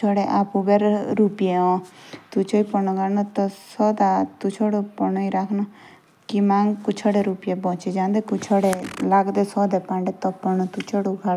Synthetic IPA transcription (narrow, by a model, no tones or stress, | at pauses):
t͡ʃʰɔɽeʔapuɡeɾɾupijeɔ̃t̪ut͡ʃʰɔipɔnɔɡʱanɔt̪ɔsɔd̪at̪ut͡ʃʰɔɽopɔnɔiɾakʰnɔ | kimaŋɡkut͡ʃʰɔɽeɾupijebɔ̃t͡ʃed͡ʒãːnd̪ekut͡ʃʰɔɽelaɡd̪esɔd̪ɛpãɳɖɛt̪ɔpɔnɔt̪ut͡ʃʰɔɽuɡʱa